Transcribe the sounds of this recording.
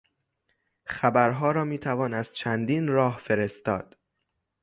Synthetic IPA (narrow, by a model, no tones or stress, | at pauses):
xæbæɾɦɒːɾɒːmiːt̪ʰævɒːnæz̥t͡ʃʰænd̪iːnɾɒːhfe̞ɾe̞st̪ɒ̰ːd̪̥